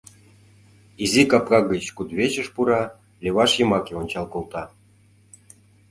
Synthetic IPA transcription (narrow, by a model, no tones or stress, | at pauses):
izikɑp̚kɑɡət͡ɕkud̪βet͡ɕə̆ʃpuɾɑ | lʲeβɑʃjɤ̆mɑkeonʲt͡ɕɑlkolt̪ɑ